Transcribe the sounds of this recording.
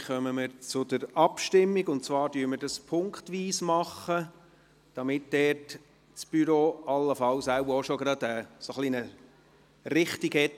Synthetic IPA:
χœməməɾt͡sʊdəɾɑpʃtɪmːiɡʊnt̚t͡svɑːɾdyːmədɑspʰʊŋkχtʋiːsmɑχːə | d̥ɑmɪt̚d̥ɛːrt | t͡sb̥yɾoːɑlːəfɑwsæwbəɾoʃoɡɾɑdɛːsoχlinə | ɾɪχtiɡhɛt

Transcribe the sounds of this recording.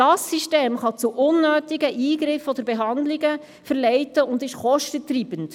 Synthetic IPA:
d̥ɑsːiʃteːmχɑt͡suʔʊnːøːt̪ɪɡəʔiːɡɾɪfɔd̪əɾbɛɦɑndlɪɡə | fəɾlɛɪtəʊndɪʃχɔʃtətɾiːbənt

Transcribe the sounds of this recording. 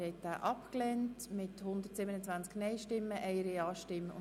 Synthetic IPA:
hɛɪt̚d̥aːʔɑpklɛːntmɪthʊnd̪əɾtsɪbənət͡sʋænt͡sknɛɪʃtɪmːəʔɛɪəɾiɑːʃtɪmːəʊ̰

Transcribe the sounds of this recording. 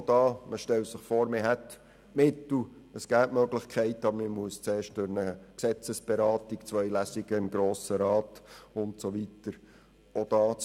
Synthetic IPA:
d̥̪ɑːməʃtɛlsəχfoːɾmeɦɛt̪ | mɪt̪l̩ | əsɡ̥æːtmøɡlɪχkʰɛɪtəɑbəɾmɪmuəst͡seːʃt̚d̥ʊɾnəksɛt͡səsb̥eɾɑːt̪ikt͡sʋœʏjlæsiɡəɪmɡɾoːsəɾɑːtʊntsoʋitəɾ | od̥ɑːt͡s

